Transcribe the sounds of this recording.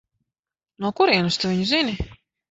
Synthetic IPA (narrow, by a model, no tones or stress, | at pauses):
nuɔkuɾiɛnust̪uviɲuzini